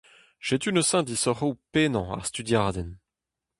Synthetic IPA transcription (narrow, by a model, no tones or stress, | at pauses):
ʒ̥et̪ynəsɛ̃d̪isɔʁowpenɑ̃a̰ʁst̪yd̪jaʁd̪ɛn